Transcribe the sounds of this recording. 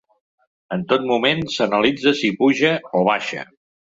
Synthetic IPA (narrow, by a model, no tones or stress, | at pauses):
ənt̪ot̪̚mumensənəlid͡zəsipuʒəoβ̞aʃə̰